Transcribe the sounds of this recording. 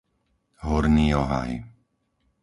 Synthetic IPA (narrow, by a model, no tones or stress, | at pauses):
ɦɔɾɲiːɔɦa̰j